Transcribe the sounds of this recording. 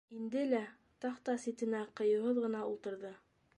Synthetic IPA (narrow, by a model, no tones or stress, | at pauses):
ind̪ɘlæ | t̪ɑqt̪ɑsit̪ɘ̆næqɤ̆jɤ̆wɦɤðʁɤ̆nɑulˠt̪ɤ̆ɾðɤ